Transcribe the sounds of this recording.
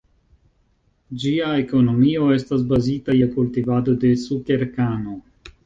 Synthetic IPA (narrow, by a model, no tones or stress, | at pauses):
d͡ʒiaeko̞no̞mio̞e̞stas̬bazitajakultivad̪o̞de̞sukeɾkano̞